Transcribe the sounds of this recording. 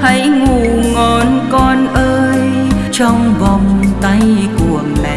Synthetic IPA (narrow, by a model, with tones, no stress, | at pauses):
t̪ʰə˨˦jŋu˧˨˩ŋɔ˨˩nkɔ˧nʔəː˧j | t͡ɕɔ˧wŋ͡mvɔ˧wŋ͡mt̪a˧jku˨˩əmɛ˨˩